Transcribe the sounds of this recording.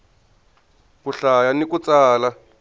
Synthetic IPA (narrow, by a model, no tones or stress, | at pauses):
kuɬajanik̬ut͡sʼaːla